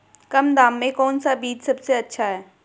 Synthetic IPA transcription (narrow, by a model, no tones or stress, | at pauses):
kɐmd̪aːmːẽkɔːnsabiːd͡ʒsɐbseɐtːʃʰaɦɛː